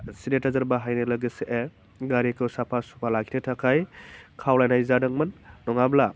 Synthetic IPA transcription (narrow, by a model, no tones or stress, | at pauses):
siɾetazɐɾbaɦajnɯlɐɡɯseʔe | ɡaɾikʰɯwsapʰasu̥pʰalaɡʰi̥tʰetʰakʰajkʰawlajnajzadɐŋmɐnːɔŋabla